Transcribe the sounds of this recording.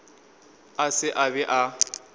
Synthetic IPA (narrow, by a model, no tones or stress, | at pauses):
asɪʔabɛʔa